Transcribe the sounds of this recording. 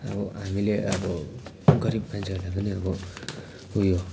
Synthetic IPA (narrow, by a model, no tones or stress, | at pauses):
ʌ̰bʌɦamileʔʌbʌ | ɡʌɾib̚pant͡sʰʌlapʌniʌbʌ | ujo